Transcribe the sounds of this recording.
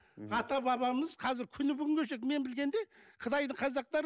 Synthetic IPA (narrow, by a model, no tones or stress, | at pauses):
ɑt̪ɑbɑβɑməzqʰɑzɪɾkʲʰʏnɪbʏɡʲɪŋɡʲʰɵʃekme̞nbɪlɡʲe̞nd̪e̞qʰət̪ɑjd̪əɴqʰɑzɑq̚t̪ɑɾ